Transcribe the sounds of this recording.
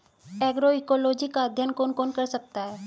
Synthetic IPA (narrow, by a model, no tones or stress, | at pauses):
ɛːɡɾoikoːloːd͡ʒikaəd̪ʱjənkoːnkoːnkɐɾsɐk̚t̪aɦɛː